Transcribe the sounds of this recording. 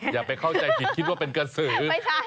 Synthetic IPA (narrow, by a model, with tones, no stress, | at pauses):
jaː˨˩k̚pa˧jkʰa˥˩wt͡ɕa˧jʰi˨i˦˥t̪̚wa˥˩pe˧nka˧sɯː˩˦˧